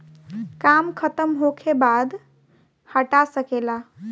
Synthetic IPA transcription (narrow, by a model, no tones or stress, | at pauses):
kamkʰət̪əmɦokʰebad̪ | həʈasəkela